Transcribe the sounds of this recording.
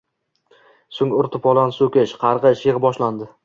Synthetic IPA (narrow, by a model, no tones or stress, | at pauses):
sʊŋʊɾt̪ʰɪpɒlˠansokʲɪʃqʰɑɾʁɨʃjɪʁbɒʃland̪ɪ